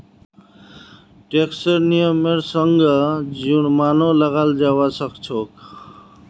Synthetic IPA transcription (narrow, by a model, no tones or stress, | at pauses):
ʈeksəɾnijəmeɾsəŋɡʌd͡ʒuɽmanoləɣald͡ʒawasʌkt͡ʃʰok